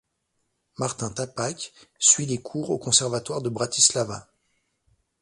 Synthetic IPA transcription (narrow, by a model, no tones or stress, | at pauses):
maʁt̪ɛ̃t̪apaksɥilekʰuʁokɔ̃sɛʁvat̪waʁd̪əbʁat̪islava